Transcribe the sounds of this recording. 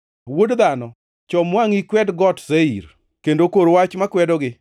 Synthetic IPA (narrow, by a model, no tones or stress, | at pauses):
wodd̪anɔ | t͡ʃɔmwaŋikwɛdɡɔtseiɾ | kendokoɾwat͡ʃmakwɛdɔɡɪ